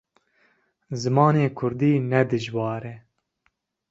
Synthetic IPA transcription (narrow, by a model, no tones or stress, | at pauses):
zɨmɑːneːkʰʊɾd̪iːnɛd̪ɨʒwɑːɾɛ